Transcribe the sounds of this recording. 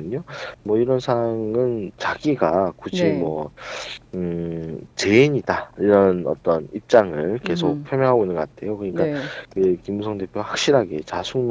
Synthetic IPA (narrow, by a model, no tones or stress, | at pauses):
ɯɲomwʌiɾʌnsʰaŋɯnt͡ɕaɡiɡakud͡ʑʰimwʌ | t͡ɕe̞iɲidaiɾʌnʌ̰t͈ʌnip̚t͡ɕ͈aŋɯɭke̞sʰok̚pʰjomjʌŋɦaɡoinɯnɡʌk͈atʰe̞jokɯɲik͈akɯekimusʰʌŋde̞pʰjoɡahḁk̚ɕ͈iɾɦaɡe̞̰t͡ɕasʰu